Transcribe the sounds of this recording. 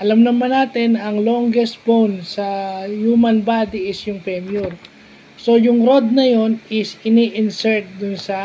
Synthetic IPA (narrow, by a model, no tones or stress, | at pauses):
ʔɐlɐmnɐmanaːt̪ɪnʔɐŋlo̞ŋɡɛst̪̚bownsɐjuːmɐnbad̪iʔɪsjʊŋpɛmjuɾ | so̞jʊŋɾo̞d̪̚nɐjo̞nʔɪsɪniʔɪnsɛɹt̪̚d̪ʊnsɐ